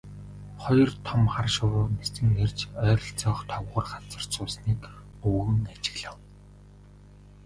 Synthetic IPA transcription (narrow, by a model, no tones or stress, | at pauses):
χɔjɞ̆rt̪ʰɔmχarʃʊwʊːmesɘ̆ŋːert͡ɕœːɾɞ̆ɬt͡sɔːχt̪ʰɔwʁʊ̆rχat͡sə̆r̥t͡sʊːsniːk | ɵwɣɘ̆ŋat͡ɕɪ̆ɣɮăːw